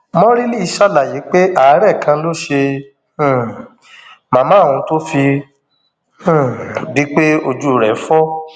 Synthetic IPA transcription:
mɔ̃˦ɾi˦li˦i˧ʃa˦˨la˨je˨˦k͡pe˦ʔa˨˦ɾɛ˦˨kã˧lo˦ʃẽ˧˨ | mãː˨˧mãː˦˨ũ˧to˦fi˧˦˨ | di˦k͡pe˦o˧d͡ʒu˦˨ɾɛ˨˦fɔ˦

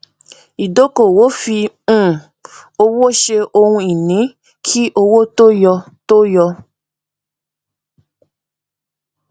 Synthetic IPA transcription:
i˨do˨˦ko˨wo˨˦fĩ˧˦˨ | o˧wo˦ʃe˧o˧hũ˧i˨nĩ˨˦ | kʰi˦ʔo˧wo˦to˦jɔ˧ | to˦jɔ˧

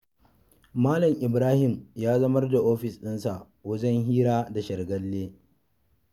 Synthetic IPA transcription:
maː˦lɐ˨mʔɪ˨bɾaː˦hɪ˨mjaː˦zɐ˦mɐ˦rda˨ʔoː˦ɸɪ˨sɗɪ˦nsa˨ | wɐ˦d͡ʒɛ˦ŋɦiː˦ɾaː˦da˨ʃɐ˨rɡɐ˦lːeː˦

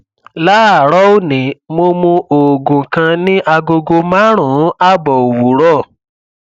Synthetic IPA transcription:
la˦a˨ɾɔ˦o˦˨nĩ˨˦mo˧mũ˧ʔo˨ɡũ˨kã˧nĩ˦ʔa˧ɡo˧ɡo˧mã˦ɾ̃ũ˨˦a˦˨bɔ˨o˨wu˨˦ɾɔ˦˨

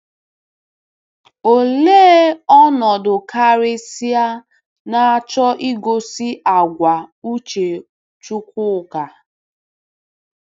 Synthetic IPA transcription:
o˨leː˦ɔ˦nɔ˨dʊ˨ka˦ɾɪ˦si˦a˦ | na˨a˦t͡ʃɔ˦ʔi˦ɡo˦si˦ʔa˨ɡʷa˨u˦t͡ʃe˨ | t͡ʃu˦kʷʊ˦˨ka˨

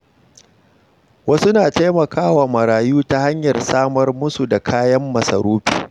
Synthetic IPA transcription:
wɐ˦sʊ˦naː˨ta˦jmɐ˨kaː˦waː˨mɐ˨ɾaː˨juː˦ta˦ha˦ɲjɐ˨rsaː˦mɐ˦rmʊ˦su˨da˨kʰaː˦jɐ˦mːɐ˨sɐ̰˨ɾuː˦ɸi̥ː˨

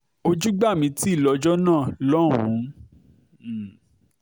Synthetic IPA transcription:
o˧d͡ʒu˦ɡ͡ba˦˨mĩ˧˦ti˦i˦˨lɔ˧˦d͡ʒɔ˦nãː˦˨lɔ˦˨w̃ṵ̃˨˦˨

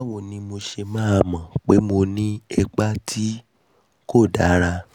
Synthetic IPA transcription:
wo˨nĩ˧˦mo˧ʃe˧mãː˦a˧mã˨k͡pe˦mo˧nĩ˦ɛ˧k͡pa˦tʰi˦ | ko˦˨da˨˦ɾa˧

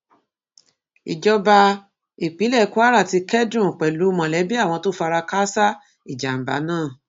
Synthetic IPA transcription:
ḭ˨d͡ʒɔ˧ba˧ | i˨k͡pi˨˦lɛ˦˨˦ku˦a˦ɾa˦˨ti˧kɛ˦dɾũ˦˨k͡pɛ˨lu˨˦mɔ̃˨lɛ˨˦bi˦a˦˨w̃ɔ̃˧to˦fa˧ɾa˧ka˦sa˦ | i˦˨d͡ʒa˨m̩˨ba̰˨˦nãː˦˨

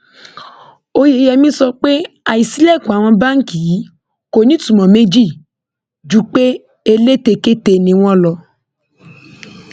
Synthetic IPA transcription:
o˧je˨˧˦jɛ˧mĩ˦sɔ˧k͡pe˦ | a˧i˨si˨˦lɛ˦˨ku˨a˨w̃ɔ̃˧ba˦ŋ̩˦ki˨˦ | ko˨˧˨nĩ˨˦tũ˨mɔ̃˨mẽ˦d͡ʒi˦˨ | d͡ʒu˦k͡pe˦ | e˧le˦te˧ke˦te˧nĩ˧w̃ɔ̃˦lɔ˧

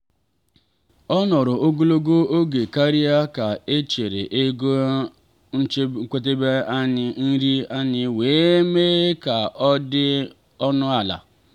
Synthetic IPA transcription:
ɔ˦nɔ˨ɾʊ˨o˦ɡo˦lo˦ɡo˦o˦ɡe˨ka˦ɾi˦a˦ka˨e˦t͡ʃe˨ɾḛ˨ʔe˦ɡo˦ | kʷe˦t̬e˦be˦a˦ɲɪ˨n̩˦ɾi˦a˦ɲɪ˦weː˨˦me˦ka˨ʔɔ˦dɪ˦ | ɔ˦nʊ˦a˨la̰˨

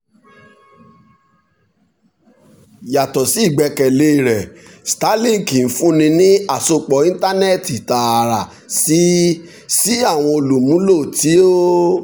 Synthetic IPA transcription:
ja˨tɔ˨si˨˦i˦˨ɡ͡bɛ˧kɛ˨le˦i˨ɾɛ˨sta˨˦lĩ˦˨ki˨n̩˦fũ˦nĩ˧nĩ˦a˦˨so˧k͡pɔ˨˦ĩ˦ta˦nɛ˦˨ti˨ta˨ɾa˨ | si˨˦ | si˦a˦˨w̃ɔ̃˧o˧lu˨mũ˨˦lo˦˨ti˨˦o˦

